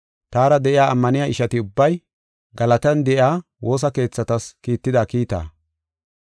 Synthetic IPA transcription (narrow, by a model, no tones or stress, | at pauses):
t̪aːɾɐd̪ɛʔɪjaːɐmːɐnɪjaʔɪʃɐt̪ɪʊbːɐj | ɡɐlɐt̪ɛnd̪ɛʔɪjaː | wo̞ːs̬ɐke̞ːt͡sːɐt̪ɐskiːt̪ːɪd̪aːkiːt̪a̰ː